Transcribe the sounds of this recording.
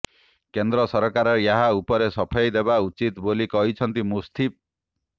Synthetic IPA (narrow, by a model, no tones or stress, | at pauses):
kend̪ɾɔsɔɾkaɾɔjaɦaupɔɾesɔpʰɔjd̪ebaut͡ʃit̪bolikɔɦit͡ʃʰʌnt̪imust̪ʰip̚